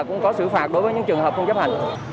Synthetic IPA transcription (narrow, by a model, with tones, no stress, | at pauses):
kʊ̰˧˥ŋ͡mkɔ˨˦sɨ̰˧˩faː˨˩t̚ɗo˨˦jvəː˨˦jɲɨ̰˧˥ŋt͡ɕɨ˨˩əŋɦəː˨˩p̚t͡ɕə˧ŋ͡mt͡ɕə˦˥p̚ha˨˩jŋ̟